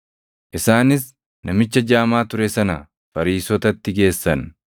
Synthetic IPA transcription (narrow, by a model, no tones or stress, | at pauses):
ʔɪsaːnɪs | nɐmɪt͡ʃːɐd͡ʒaːmaːt̪ʊɾɛsɐnɐ | fɐɾiːsɔt̪ɐt̪ːɪɡe̞ːsːɐn